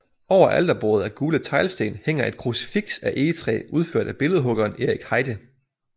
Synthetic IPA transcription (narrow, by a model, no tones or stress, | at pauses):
ɒʊ̰ɐʔæld̥ɐb̥oːð̞̩ˠæɐɡ̥uːlət͡sʰɑ̈ɪlsd̥e̝ːnheŋ̰ɐʔe̝d̥̚kʰʁusi̥fiɡ̥sæʔe̝ːət͡sʰʁɛ̰ːuð̞ˠføɐ̰d̥æb̥e̝ləð̞̩ˠɦɔ̽ɡ̥ɐːne̝ʁiɡ̥hɑ̈ɪd̥ə